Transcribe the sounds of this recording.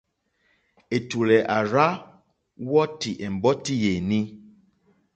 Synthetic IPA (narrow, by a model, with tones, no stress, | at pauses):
e˨tu˨lɛ˨ʔa˨ɾa˦ | wɔ˦ti˨ʔe˨m̩˨bɔ˦ti˦je˨ni˦